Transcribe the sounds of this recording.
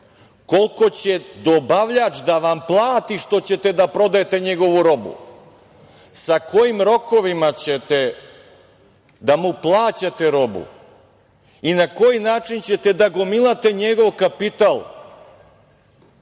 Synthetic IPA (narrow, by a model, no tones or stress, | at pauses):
ko̞lko̞t͡ɕe̞d̪o̞baʋʎat͡ʃd̪aʋamplˠaːt̪iʃt̪o̞t͡ɕe̞t̪e̞d̪apɾo̞d̪ajet̪e̞ɲe̞ɡo̞ʋuɾo̞bṵ | sako̞jimɾo̞ko̞ʋimat͡ɕet̪e | d̪amuplˠaːt͡ɕat̪e̞ɾo̞bṵ | inako̞jinaːt͡ʃint͡ɕe̞t̪e̞d̪aɡomilˠat̪e̞ɲe̞ɡo̞ʋkapit̪alˠ